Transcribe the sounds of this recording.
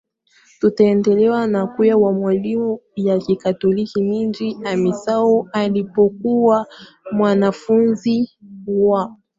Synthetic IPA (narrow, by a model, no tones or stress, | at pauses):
tutaɛndɛlɛwanakujawamwalimujakikatɔlikimind͡ʒiamisaɔalipɔkuwa | mwanafunziwa